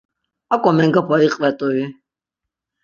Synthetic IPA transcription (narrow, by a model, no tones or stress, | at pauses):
akʼɔmɛŋɡapʰaiqʼvɛt̪ʼui